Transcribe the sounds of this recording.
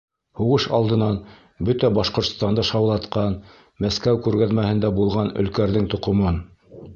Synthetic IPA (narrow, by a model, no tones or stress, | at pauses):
huʁɤʃɑ̰lˠd̪ɤ̆nɑn | bɵt̪æbɑʃqŏɾt̪st̪ɑnd̪ɑʃɑwlˠɑt̪qɑn | mæskæwkʉɾɡæðmæhɘ̆nd̪æbulˠʁɑnɵ̰̆lkæɾðɘŋt̪ŏqŏmɤn